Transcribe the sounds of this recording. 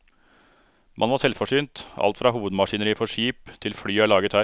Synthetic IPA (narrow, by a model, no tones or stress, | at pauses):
mʔɑnʋɑsɛlfɔʂyːnt̪ɑ̰lt̪fɾɑːɦuːʋəd̪mɑʂiːnəɾiːfɔʂiːpt̪ʰɪlfɽyːæːɭɑːɡət̪hæː